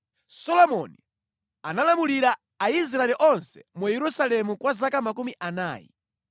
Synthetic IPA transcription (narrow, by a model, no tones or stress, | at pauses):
sɔlɔmɔni | analamuliɾa | ais̬ɾaɛlɛʔɔnsɛ̥̰mujɛɾusalɛmukwazakamak̬umiʔana̰ːjḭ